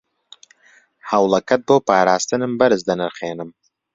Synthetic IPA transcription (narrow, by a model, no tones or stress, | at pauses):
hɐwlˠɐkɐt̪̚boːpaːɾaːst̪ɨnɨmbɐɾɨzd̪ɐnɨɾχeːnɨm